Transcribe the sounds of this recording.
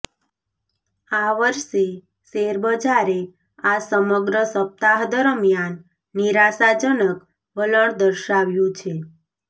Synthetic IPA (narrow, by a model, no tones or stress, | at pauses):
aʋəɾʃe | seɾbəd͡ʒaɾe | asəməɡɾəsəp̚t̪aɦd̪əɾmjanː | iɾasad͡ʒənək | ʋələɳd̪əɾʃaʋjũt͡ʃʰe